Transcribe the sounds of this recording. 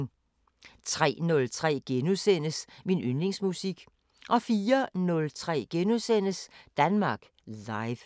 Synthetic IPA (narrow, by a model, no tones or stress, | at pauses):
ŋ | t͡sʰʁɛ̰ːnɔ̽lt͡sʰʁɛ̰ːɡ̥enusen̰əsminynle̝ŋsmusiɡ̥ | ʔɒ̽fiːɐnɔ̽lt͡sʰʁɛ̰ːɡ̥enusen̰əsd̥ænmɑ̈ːɡ̥ | lɑ̈ɪʋ